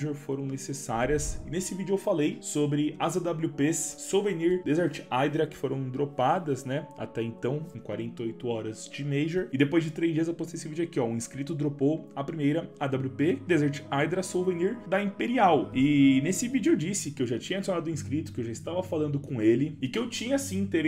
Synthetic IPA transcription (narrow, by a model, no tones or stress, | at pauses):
ʒeɾfoɾɐ̃w̃nesesaɾiɐsɪnesɪvid͡ʒʊewfalejsobɾɪazɐd̪ablʲupessoveniɾd̪ezɛɾt͡ʃɪ̥ajd̪ɾɐkɪ̥foɾɐ̃w̃d̪ɾopad̪ɐznɛa̰t̪ɛẽnt̪ɐ̃w̃ẽkwaɾẽnt̪ɐojt̪ʊɔɾɐzd͡ʒɪmejʒeɾɪd̪epojzd͡ʒɪt̪ɾezd͡ʒiɐzewpost̪ejesɪvid͡ʒʊakiɔʊ̃ĩskɾit̪ʊd̪ɾopowɐpɾimejɾɐɐd̪abluped̪ezeɾt͡ʃɪ̥ajd̪ɾɐsoveniɾd̪ɐĩpeɾiawɪnesɪvid͡ʒʊewd͡ʒisɪkɪewʒat͡ʃĩɲɐad͡ʒsonad̪ʊ̃ĩskɾit̪ʊ̥kɪewʒaɪst̪avɐfalɐ̃nd̪ʊkõelɪɪkɪewt͡ʃĩɲɐsĩt̪eɾ